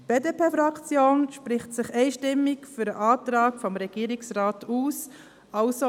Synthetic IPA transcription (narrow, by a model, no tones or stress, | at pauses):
b̥eːdeːpʰeːfɾɑkt͡sjoːnʃpɾɪχtsɪχɛɪʃtɪmːɪkfyɾəʔɑːtɾɑːkfɔmɾɛɡ̥iːɾɪksraːtuːs | ɑlso